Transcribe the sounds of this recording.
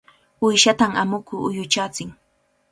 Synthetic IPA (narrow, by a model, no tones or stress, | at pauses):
ʊjʃat̪aŋamʊkʊʊjʊt͡ʃat͡sɪŋ